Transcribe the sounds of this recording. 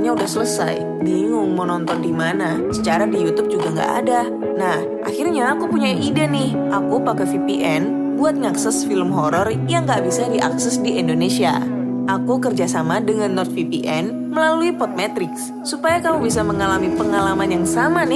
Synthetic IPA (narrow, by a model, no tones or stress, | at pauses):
ɲaudahsələsa̰j | diŋʊŋmənɔnt̪ɔndimana | sət͡ʃaɾadijut̪ʊb̚d͡ʒuɡaŋɡa̰ʔa̰da | nah | ʔa̰hirɲaːkupuɲaʔidanɪh | ʔakupakafipiʔɛn | buat̪̚ŋaksɛsfiləmɦɔɾɔr | jaŋɡaʔbisadiʔa̰ksɛsdiʔindonesia̰ʔakukərd͡ʒasamadəŋanːɔt̪̚fipiʔɛn | məlaluipɔt̪̚mɛt̪ɾɪks | supajakamubisaməŋalamipəŋalamanjaŋsamanɪ